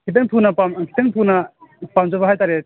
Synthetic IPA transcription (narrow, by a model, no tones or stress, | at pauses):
kʰit̬ɯŋtʰunɐpamkʰi̥tɐŋtʰunɐpamzɐbɐɦajtaɾet̚